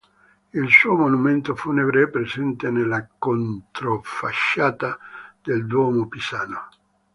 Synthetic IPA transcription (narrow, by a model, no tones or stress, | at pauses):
ilsuːomonument̪ofunebɾepɾezɛnt̪enelːakont̪ɾofaʃːaːt̪ad̪eld̪wɔmopisaːno